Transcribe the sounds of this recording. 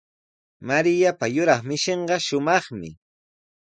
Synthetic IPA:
maɾɪjapajʊɾɑχmɪʃeɴɢɑʃʊmɑχmɪ̰

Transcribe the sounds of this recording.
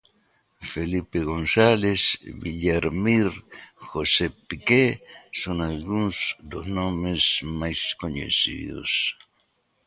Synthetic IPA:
felipeɣonsalesβiʎaɾmiɾxosepikesoŋalɡũŋzd̪oznõmezmajskoɲḛsḭðo̰s

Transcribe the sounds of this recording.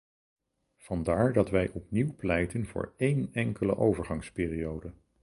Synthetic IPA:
v̥ɑndaːɹdɑtʋɛjʔɔpniwplɛjtənv̥ʊ̰ːɹejnɛŋkələ̰ʔowvəɹχɑŋspɪːriowdə

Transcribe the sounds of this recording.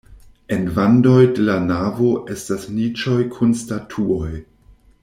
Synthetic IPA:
envando̞jdelanavo̞ʔe̞stasnit͡ʃojkʰunstatʰuoj

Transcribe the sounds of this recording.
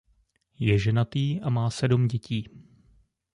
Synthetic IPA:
jɛʒɛnat̪iːʔamaːsɛdumɟɛciː

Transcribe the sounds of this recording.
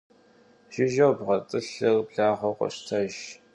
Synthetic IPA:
ʒɪʒɐwbʁɐtʼɨɬɨrbɮaːʁʷɐqʷɔ̰ɕtʰɐʒ

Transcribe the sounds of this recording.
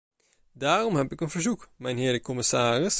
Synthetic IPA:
daːrɔmhɛpɪkənv̥əɹzukmɛjnɦɪːɹdəkɔmɪsaːrɪs

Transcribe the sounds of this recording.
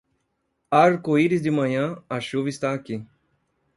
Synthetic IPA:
aɾkoiɾɪzd̪ɪmɐ̃ɲɐ̃ɐʃuvɐist̪aːki

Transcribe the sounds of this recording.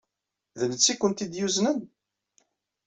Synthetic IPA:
ðənət͡sːikʷːənt̪id̪juznən

